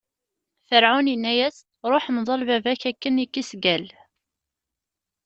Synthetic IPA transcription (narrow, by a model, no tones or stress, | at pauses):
fəɾʕʊnənːæjæs | ɾˤoħmðˤɑlvævæçækːənikːisɡæl